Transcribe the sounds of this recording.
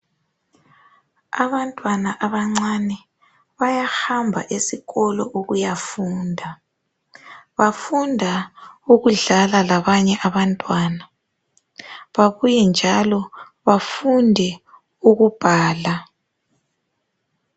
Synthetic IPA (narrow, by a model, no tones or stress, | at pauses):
aβantʼwanaʔaβaŋ͡ǀanɛ | βajaxambʱa̰ʔesiɣɔlɔ̰ʔuɣujafuːndʱa | βafundʱauɣuɮalalaβaɲɛʔaβantʼwaːna | βaβujɛnd͡ʒʱalɔ | βafundʱɛ | uɣub̥ʱaːla